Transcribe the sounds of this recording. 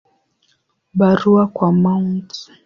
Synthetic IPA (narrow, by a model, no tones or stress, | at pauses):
ɓaɾuakwamaunti̥